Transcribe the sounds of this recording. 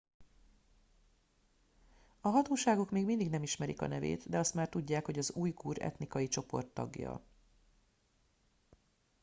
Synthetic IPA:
ɒɦɒt̪oːʃaːɡo̞kmeːɡmind̪iɡnɛmiʃmɛɾḭkɒ̰nɛvḛːt̪d̪ɛɒst̪maːrt̪uɟːaːkho̞ɟɒzuːjɡuːɾɛ̰t̪nikɒjit͡ʃo̞po̞̰rt̪ːɒ̰ɡjɒ̰

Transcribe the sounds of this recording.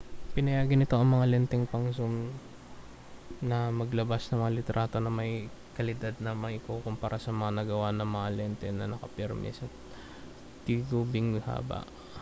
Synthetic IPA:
pɪnɐjaːɡɪnɪt̪o̞ʔɐŋmɐŋalɛnt̪ɛŋpɐŋsum | nɐmɐɡlɐbasnɐŋmɐŋalɪt̪ɾʔaːt̪onɐmɐj | kɐlɪd̪ad̪̚nɐmɐʔɪkokʊmpaːɾʔasɐmɐŋanɐɡɐwanɐŋmɐŋalɛnt̪ɛnɐ̰nɐkɐpɛɾmɪ̰sɐt̪̚ | t̪iɡubɪŋɪha̰ːbɐ̰ʔ

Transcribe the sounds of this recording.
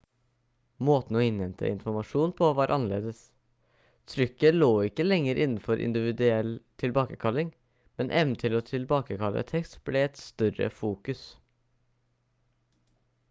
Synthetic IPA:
moːt̪n̩oːɪnɛnt̪ʰə̰ɪnfɔmɑʂuːnpʰoːʋɑːɾʔɑnəlḛːd̪əs | t̪ʰɾʏkːəloːɪkːəlɛŋːəɾʔɪnn̩fɔɾʔɪ̰nd̪ɪʋɪd̪ʉɛlt̪ʰɪlbɑːkəkʰɑlɪŋ | mɛnʔɛʋnt̪ʰɪloːt̪ʰɪlbɑːkəkʰɑlʔə̰t̪ʰɛkst̪b̥lɛːɛt̪st̪œɾə̰fuːkʉs

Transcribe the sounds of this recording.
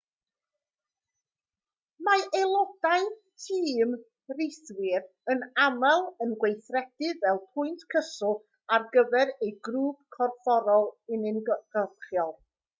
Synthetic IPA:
maʔelˠɔd̥ajtʰiːm | rɪjθwɪɾ | ənamalˠənɡwejθrɛd̥ɨvɛlˠpʰʊɨntkʰəsʊlˠ | arɡəvɛɾejɡruːb̥kʰɔrfɔɾɔlˠɪnɪnɡ̥ɔðχjɔlˠ

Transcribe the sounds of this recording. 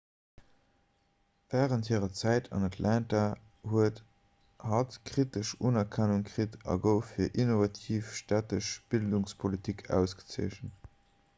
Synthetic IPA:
v̥æːʁənthiːʁɐt͡sæɪtʰɑ̰nɑtʰlʔænta | huət | hɑtkʁ̥itəʃunɐkʰænuŋkʁitɑ̰ɡəʊfiːɐʔinovɑtʰiːfʃtæːtəʃb̥ilduŋspʰolitʰikʰæ̰ʊsɡ̥ə̥t͡siəʃən

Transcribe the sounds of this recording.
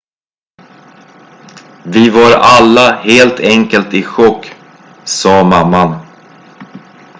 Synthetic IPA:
vɪvaɾalːaheːlt̪ʰɛŋkəlt̪ɪɧɔkː | sɑːmamːan

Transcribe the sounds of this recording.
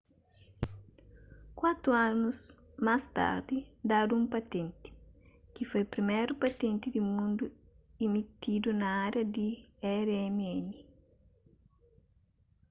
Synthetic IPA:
kwat̪ɾuanus | mast̪a̰ɾd̪id̪ad̪uũmpat̪ẽnt̪i̥ | kifojpɾimɛɾupat̪ẽnt̪id̪imũnd̪u | imit̪id̪unɐaɾjɐd̪iɛɾɛmiɛni

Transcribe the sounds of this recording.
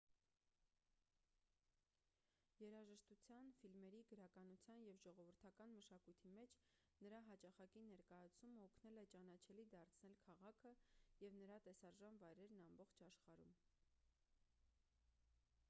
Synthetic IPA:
jɛɾɑʒəʃt̪ut͡sʰjɑnfilmɛɾiɡəɾɑkɑnut͡sʰjɑnjɛvʒɔʁɔvəɾt̪ʰɑkɑnməʃɑkujt̪ʰimɛt͡ʃʰ | nəɾɑɦɑt͡ʃɑχɑkinɛɾkɑjɑt͡sʰuməɔkʰnɛlɛt͡ʃɑnɑt͡ʃʰɛlid̪ɑɾt͡sʰnɛlkʰɑʁɑkʰəjɛvnəɾɑt̪ɛsɑɾʒɑnvɑjɾɛɾnɑmbɔχt͡ʃʰɑʃχɑɾum

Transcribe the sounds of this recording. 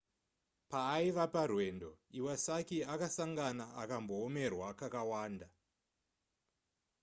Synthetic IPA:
paːiʋaparwe̞ːndo̞iwasakiakasaŋɡanaakambo̞ːme̞rwakakawaːnda

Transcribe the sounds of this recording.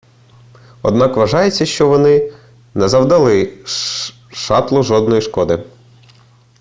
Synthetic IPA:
ɔd̪nɑkʋɐʒɑjet͡sʲːɐʃt͡ʃɔʋɔnɪ | nɛzɐwd̪ɐlˠɪ | ʃɑt̪lˠʊʒɔd̪nɔjiʃkɔd̪ɪ

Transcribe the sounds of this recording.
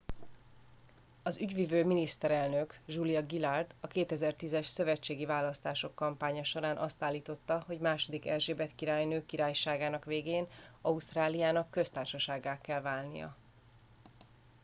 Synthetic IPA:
ɒzyɟʋivøːminist̪ɛɾɛlnøkʒulijɒɡilard̪ɒkeːt̪ɛzɛrt̪izɛʃsø̞vɛt͡ʃːeːɡivaːlɒst̪aːʃo̞kːɒmpaːɲɒʃo̞ɾaːnʔɒst̪aːlːiːt̪o̞t̪ːɒɦo̞ɟmaːʃod̪ikɛ̰lʒeːbɛt̪kiɾaːjnøːkːiɾaːjʃaːɡaːnɒkʋeːɡeːn | ɒust̪raːlijaːnɒkːø̞st̪aːrʃɒʃaːɡːaːkːɛlvaːlnḭjɒ̰

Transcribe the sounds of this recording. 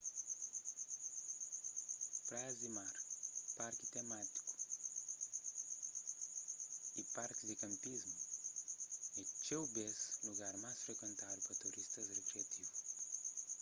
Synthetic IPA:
pɾazimaɾpaɾkit̪emat̪i̥ku̥ | ipaɾkid̪ikɐ̃mpizmu | it͡ʃewbezluɣaɾmajsfɾekwẽnt̪aðupɐt̪uɾist̪ɐzrekɾiɐt̪ivu

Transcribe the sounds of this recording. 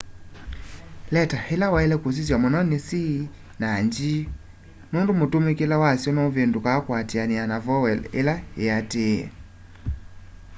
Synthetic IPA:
lɛtahelawaɛlɛkos̬is̬jamonɔnesi | naɲd͡ʒi | nondomotomekelawasjɔnɔvendukakwatianianavɔwɛlḛlaeateɛ̰

